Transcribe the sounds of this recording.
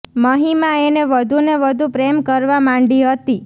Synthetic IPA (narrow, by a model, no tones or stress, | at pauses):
məɦimaeneʋəd̪ʱuneʋəd̪ʱupɾemkəɾʋamãɳɖiɦət̪i